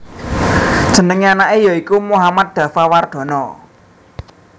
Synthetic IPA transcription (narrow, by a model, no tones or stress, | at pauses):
d̥ʒ̥ə̤nəŋeanaʔejɔikumuɦamat̪̚d̪̥ä̤faward̪̥ɔ̤nɔ